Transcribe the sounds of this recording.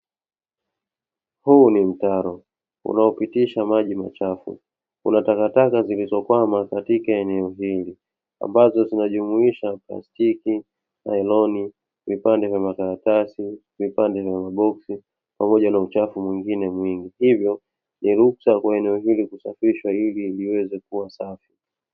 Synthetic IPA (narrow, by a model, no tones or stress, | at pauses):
huːnim̩taɾɔ | ṵnaɔpitiʃamaʄima̰t͡ʃafṵ | kṵnatakatakazilizɔkwamakatikaɛnɛɔɦili | a̰mbazɔzinaʄumuiʃapla̰stiki | na̰ɛlɔni | vipandɛvjamakaɾatasi | vipandɛvjamaɓɔksi | pamɔʄanaut͡ʃafumwiŋɡinɛmwiŋɡihivjɔ | niɾuksakwaɛnɛɔɦilikusafiʃwailiːliwɛzɛkuwasafi̥